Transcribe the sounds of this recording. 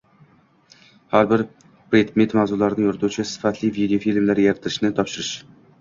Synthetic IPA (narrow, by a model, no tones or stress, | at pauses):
haɾbɪɾ | pɾed̪met̪mawzʊlaɾɪnɪŋoɾɪt̪ʰut͡ʃʰɪsɪ̥fat̪ʰlɪvid̪ejofilmlaɾjaɾt̪ʰːɪɾɪʃnɪt̪ʰɒpʃɪɾɪʃ